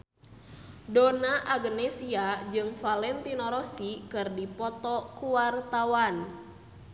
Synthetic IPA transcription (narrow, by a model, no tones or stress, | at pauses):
donaʔaɡnɛsiad͡ʒɨŋfalɛnt̪inɔɾɔsikɨrdipɔt̪ɔkuwart̪awan